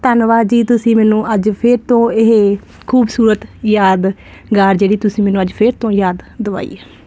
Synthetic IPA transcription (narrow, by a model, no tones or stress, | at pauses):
t̪ənʋaːd͡ʒiːt̪ʊsĩːmɛːnũːʔəd͡ʒpʰɪɾt̪õːɪɦe | kʰuːbsuːɾət̪jaːd̪ | ɡaːɾd͡ʒeːɽiːt̪ʊsĩːmɛːnũəd͡ʒpʰɪɾt̪õːjaːd̪ːəʋa̰ːḭːɛː